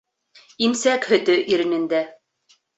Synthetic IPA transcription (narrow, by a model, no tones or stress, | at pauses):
imsækhɵ̆t̪ɵʔiɾɘ̆nɘ̆nd̪æ